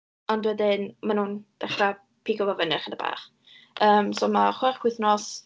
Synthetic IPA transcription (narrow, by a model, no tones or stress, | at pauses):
ɔndwɛdɪnmanuːnd̥ɛχra | pʰiːɡɔvavənɛχənəba̰ːχ | əːmsoːmaχwɛrkʰwɪθnɔs